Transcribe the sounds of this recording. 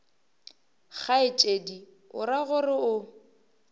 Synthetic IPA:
χaɪt͡ʃʼedi | ʊ̰ɾaɣʊrɪʊ

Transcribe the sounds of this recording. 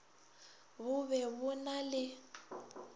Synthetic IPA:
βʊβɛβʊnalɪ

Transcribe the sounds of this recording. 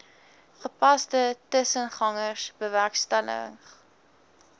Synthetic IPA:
χəpɐstətəsənχɐŋəsb̥əværkstælə̰ə̰ŋχ

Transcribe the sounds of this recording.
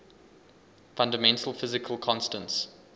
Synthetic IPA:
fãndəmɛ̃ntʰəlˠfɪzɪkʰəlˠkʰɔ̃nstə̃nts

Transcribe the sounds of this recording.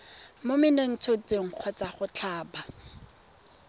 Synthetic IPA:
momɪneŋ̩t͡sʰot͡sʼeŋ̩q͡χʰɔt͡saχʊt͡ɬʰaːba

